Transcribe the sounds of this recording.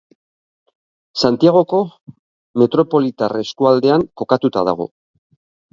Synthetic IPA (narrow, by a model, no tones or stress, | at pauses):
sant̪iaɣ̞o̞ko̞ | me̞t̪ɾo̞po̞lit̪areskuald̪e̞aŋko̞kat̪ut̪aða̰ɣ̞o̞̰